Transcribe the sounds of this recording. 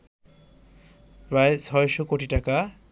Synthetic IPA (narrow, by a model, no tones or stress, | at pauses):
pɾaet͡sʰɔjʃɔkoʈiʈaka